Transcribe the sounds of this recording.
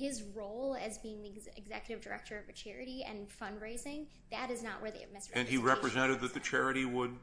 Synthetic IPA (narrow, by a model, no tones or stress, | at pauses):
hɪzɹoʊlˠɨzbiɪ̃ŋðiɪ̰ɡzɛ̰kjɨɾɨvdə˞ɛ̰k̚tʰə˞ʌvɨt͡ʃʰɛɹɨɾiɨ̰̃nfʌ̃ndɹeɪzɪ̃ŋ | ðɨɾɨznəʔwʔə˞ðeɪɨ̰mɪ̃nsɨ̃niɹɛpɹɨzɛ̃ɾ̃ɨd̪̚ðɨt̪̚ðɨt͡ʃʰɛɹɨɾiwəd̚